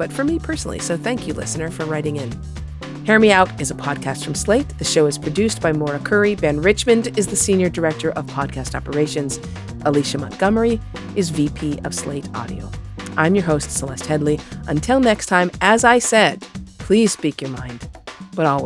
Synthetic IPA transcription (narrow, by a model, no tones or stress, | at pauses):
b̥ʌtfə˞mipʰɜ˞sn̩l̩ˠḭsoʊθæ̃ŋkʰjɨlɪ̰sɨnə˞fə˞ɹaɪɾɪ̃ŋɪ̃n | hɛɹɨmiaʊɾɨzəpʰɑd̚kʰæstfɹʌ̃msleɪt̪̚ðɨʃoʊɨz̥pʰɹ̥ɨdʉsb̥aɪmɔɹɨkʰɜ˞ibɛ̃nɹɪt͡ʃmɨ̃ndɨzðɨsĩnjə˞də˞ɛk̚tə˞ʔʌv̥pʰɑd̚kʰæstɑpə˞eɪʃɨ̃nz̥ | ʔəliʃɨmʌ̰̃tɡ̥ʌmə˞i | ʔɨzvipʰiʌv̥sleɪɾɑ̰ɾḭo̰ʊʔãɪ̃mjə˞ɦoʊstsəlɛst̚hɛdˡliʔɨ̃ntʰɪlˠnɛkstʰãɪ̃mʔɨzaɪsɛd̚pʰl̥iz̥spikjə˞mã̰ɪ̃nd̥b̥ʌɾɔl